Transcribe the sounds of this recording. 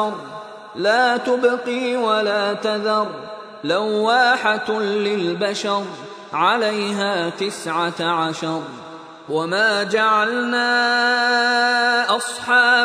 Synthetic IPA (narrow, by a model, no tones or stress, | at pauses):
ɑɾˤ | laːt̪ʊbqiːwalaːt̪aðɑɾˤ | lawːaːħɪt̪lɪlbaʃɑɾˤ | ʕalajɦaːt̪ɪsʕaʕaʃɑɾˤ | wamaːd͡ʒaʕalnaː | ʔɑsˤħɑː